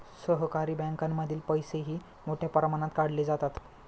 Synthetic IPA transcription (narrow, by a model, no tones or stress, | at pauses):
səɦkaɾiːbɛ̃ŋkamːəd̪ʱiːlpəjseɦiː | moʈʰjapəɾamaɽ̃at̪kaɽled͡zat̪at̪